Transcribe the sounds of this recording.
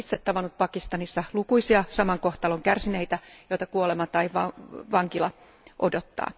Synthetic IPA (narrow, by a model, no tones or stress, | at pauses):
it̪set̪tɑʋɑnut̪̚pɑkist̪ɑnisːɑlukuisiɑsɑmɑŋko̞ht̪ɑloŋkærsineit̪æjo̞it̪ɑkuolemɑt̪ɑiʋɑʋɑŋkilɑ | ʔodot̪ːɑ̰ː